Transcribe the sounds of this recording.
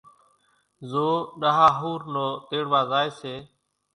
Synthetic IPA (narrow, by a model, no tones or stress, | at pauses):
zoːɗaɦaːɦuːɾnoːt̪eːɽʋaːzaːeːseː